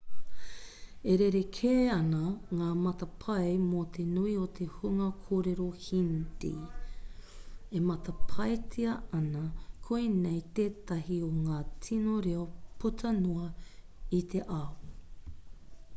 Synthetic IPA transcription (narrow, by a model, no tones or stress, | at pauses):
eɾeɾekʰeːɐnɐŋaːmɐtɐpʰɐjmot̪ʰe̞nuiot̪ʰe̞huŋɐkʰoːɾeɾohintḭ | emɐt̪ɐpʰɐjt͡sʰiɐɐnɐkʰoinejt̪eːt̪ɐɦioŋaːtʰinoɾeopʰutʰɐnuɐ | it̪ʰe̞ʔaw